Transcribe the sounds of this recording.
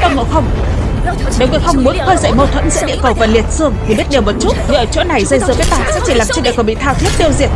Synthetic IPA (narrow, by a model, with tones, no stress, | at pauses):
t̪aː˧˩ŋo̰˧˨xə˧wŋ͡m | ɗi˨˩wŋḭ˧˨xə˧wŋ͡mmu˨˦nxəː˧jzə̰˧˨jmə˧wt̪ʰwə̰˧˥nzɨ̰˧˥ɗḭ˧˨əkə˨˩wvaː˨˩li˨˩ət̚sɨ˧əŋt̪ʰi˨˩ɓi˦˥ət̚ɗi˨˩əwmo˨˩t̚t͡ɕu˦˥t̚hḭ˧˨ʔəː˨˩t͡ɕo̰˧˥na˨˩jzə˧jzɨ̰˧˨vəː˨˦jt̪aː˨˩sɛ̰˧˥t͡ɕi˧˩laː˨˩mt͡ɕə˧ɗi˧˨kə˧˩ɓḭ˧˨t̪ʰaː˧wt̪ʰi˦˥əp̚ɗi˧əwzḭ˨˩ət̚